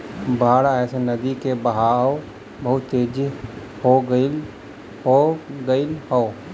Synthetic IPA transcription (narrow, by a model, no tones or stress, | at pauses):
bʱaːɽaɛːsenəd̪ikebəɦaːw | bəɦʊt̪ːeːd͡ʒ | hoɡi | hoɡəilhoː